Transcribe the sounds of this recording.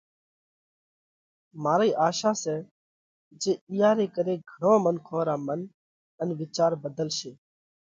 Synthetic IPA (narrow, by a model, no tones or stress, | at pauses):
maːɾiːʔaːʃaːsɛː | d͡ʒeːɪːjaːɾeːkəɾeːɡʱəɳõːmənkʰoːɾaːmən | ənʋɪt͡ʃaːɾbəd̪əlʃeː